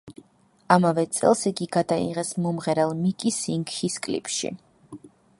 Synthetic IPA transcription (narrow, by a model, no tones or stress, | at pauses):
amavɛt̪sʼɛ̰lˠsiɡiɡad̪aḭʁɛsmɔmʁɛɾɛlˠmikʼisiŋɡhiskʼlḭpʰʼʃḭ